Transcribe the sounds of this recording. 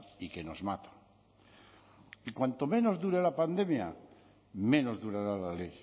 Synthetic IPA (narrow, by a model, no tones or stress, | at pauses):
ikenozmat̪ḁ | ikwant̪omẽ̞no̞zðuɾelapand̪e̞mja | mẽ̞no̞zðuɾaɾalalej